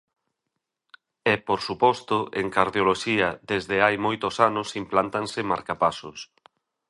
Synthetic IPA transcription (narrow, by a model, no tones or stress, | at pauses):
ɛpoɾsupɔst̪ʊʔḛŋkaɾðjoloʃiɐðezðɪajmojt̪osanʊsimplant̪ansɪmaɾkapasʊs